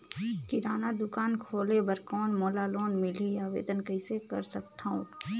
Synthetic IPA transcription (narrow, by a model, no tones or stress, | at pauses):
kɪɾaːnad̪ʊkaːnkʰoːlebəɾkɔːnmoːlaloːnmɪliaːʋḛːd̪ənkəɪsekə̰ɾsək̚t̪ʰaũ